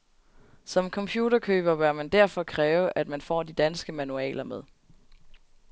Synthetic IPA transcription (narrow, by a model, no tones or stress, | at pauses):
sɒ̽mkʰɒ̽mpʰjuːdɐkʰø̰ːb̥ɐb̥ɶɐmænd̥æɐ̰fɒ̽kʰʁɛːʊəʔæd̥mænfɒ̰ːd̥id̥ænsɡ̥əmænuɛ̰ːlɐmeðˠ